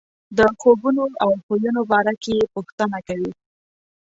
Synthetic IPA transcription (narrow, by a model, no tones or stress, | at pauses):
d̪əxobunoawxojunobɑɾakepuxt̪ənakawi